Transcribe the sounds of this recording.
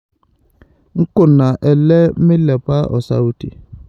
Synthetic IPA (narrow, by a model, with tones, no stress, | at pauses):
ŋ̩˦kʊ˨na˨ʔɛ˨lɛ˦mɪ˦lɛ˨pa˦ʔɔ̰˨sa̰˦u˦tḭ˨